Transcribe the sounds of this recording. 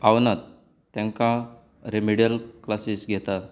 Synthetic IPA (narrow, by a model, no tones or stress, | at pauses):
awnat̪ː | ãŋka | ɾemiɽjəlklasisɡʱɛt̪a